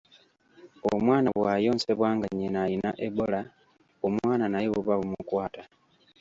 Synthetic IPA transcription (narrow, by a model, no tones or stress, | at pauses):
omwaːnaβwaːjo̞ːnse̞βwaːŋɡaɲinajina̰ʔebo̞la | omwaːnanajeβuβaβumukwaːta